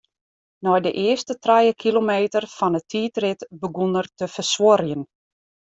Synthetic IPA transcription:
nɔjdəʔɪəstətrajəkʰilomeːtərfɔnətʰiːtrɪtbəɡunərtəfərswoɾjən

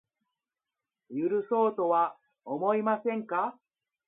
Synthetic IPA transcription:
jɯɾɯ̟so̞ːt̪o̞βa | omo̞imasẽ̞ŋka

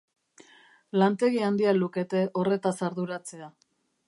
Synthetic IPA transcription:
lant̪e̞ɣiand̪ialuke̞t̪e̞ʔo̞re̞t̪asaɾðuɾat͡se̞a

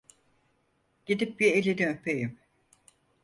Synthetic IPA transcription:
ɟ̥ed̪ip̚bielʲeniøpʰejim

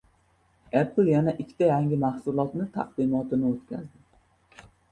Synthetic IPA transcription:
eɾplˠjanaʔɪkʲʰːɪ̥t̪ʰajaŋʲɪmahsʊlˠɒt̪nɪt̪ʰa̰q̚d̪ɪmɒt̪ɪnɪot̪kʲʰa̰zd̪ɪ

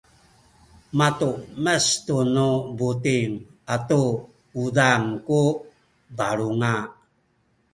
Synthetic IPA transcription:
matuməstunubutiŋatu | udaŋku | baɭuŋa

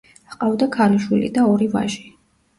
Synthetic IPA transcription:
aqʼavd̪akʰaluʃwilḭd̪aɔɾiva̰ʒi

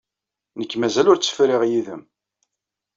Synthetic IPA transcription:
nəkːmæzælʊɾt͡sːə̥fɾɪʁjiðə̰m

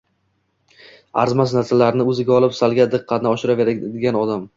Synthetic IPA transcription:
a̰ɾzmasnasalaɾɪnɪɵzɪɡʲaɒlˠɪpsalˠɡʲad̪ɨqʰːɑt̪ɪnɪɒʃɪɾaveɾd̪ɪɡʲanɒd̪am

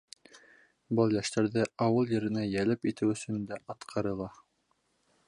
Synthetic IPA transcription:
bɤlˠjæʃt̪æɾðɘɑwɤlˠjɘ̆ɾɘ̆næjælɘpit̪ɘwɵ̆sɵ̆nd̪æʔɑt̪qʰɑɾɤ̆lˠɑ

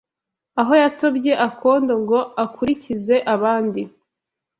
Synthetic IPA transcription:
aɦo̞jato̞bje̞ʔakʰo̞ːndoŋɡo̞akuɾicize̞ʔaβaːndi

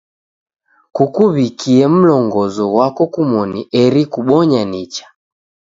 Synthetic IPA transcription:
kukuβikiɛm̩lɔŋɡɔzɔɣwakɔkumɔniɛɾikuɓɔɲanit͡ʃḁ

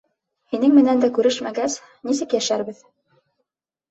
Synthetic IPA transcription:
hinɘŋmɘ̆nænd̪ækʉɾɘʃmæɡæs | nisɘkjæʃæɾbɘð

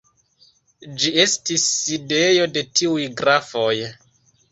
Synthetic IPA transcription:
d͡ʒie̞stisːide̞jo̞de̞tiujɡɾafo̞j

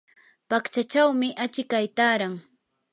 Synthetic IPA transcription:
pakt͡ʃat͡ʃawmɪʔat͡ʃɪkajt̪aːɾaŋ

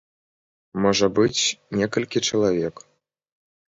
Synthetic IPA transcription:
mɔʐɐbɨt͡sʲnʲɛkɐlʲkʲit͡ʂɐlˠavʲɛk

